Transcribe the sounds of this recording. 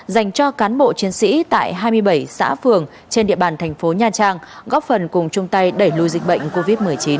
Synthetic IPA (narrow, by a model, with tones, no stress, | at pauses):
za˨˩jŋ̟t͡ɕɔ˧kaː˨˦nɓo̰˧˨t͡ɕi˨˦ənsḭ˧˥t̪a̰ː˧˨jɦaː˧jmɨ˧əjɓə˧˩jsa̰ː˧˥fɨ˨˩əŋ | t͡ɕe˧nɗḭ˧əɓaː˨˩nt̪ʰɛ˨˩ŋ̟fo˨˦ɲaː˧t͡ɕaː˧ŋɣɔ˦˥p̚fə˨˩nkʊ˨˩ŋ͡mt͡ɕʊ˧ŋ͡mt̪a˧jɗə˧˩jlu˧jzï˨˩k̟̚ɓə̰˧˨jŋ̟ko˧vi˦˥t̚mɨ˨˩əjt͡ɕi˨˦n